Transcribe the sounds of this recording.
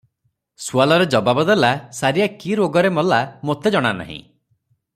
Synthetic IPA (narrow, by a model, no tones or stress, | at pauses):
sualɔɾed͡ʒɔbabɔd̪elasaɾijakiɾoɡɔɾemɔlamot̪ed͡ʒɔɽ̃ana̰ɦḭ̃